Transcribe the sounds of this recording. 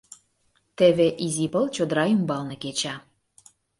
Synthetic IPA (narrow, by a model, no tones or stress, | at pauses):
t̪ĕβeʔizipəlt͡ɕod̪ɾɑjymbɑlnɤ̆ket͡ɕɑ